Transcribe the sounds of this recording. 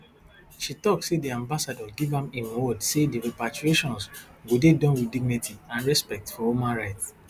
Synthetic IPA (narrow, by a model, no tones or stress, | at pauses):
ʃitɔk̚tsediãmbasadɔɡivãmẽnɔdsediɹepatɹieʃɔ̃ns | ɡodedɔ̃nwidiɡ̚nitʰiãnɹɛspɛk̚tfɔhumãnɹaɪts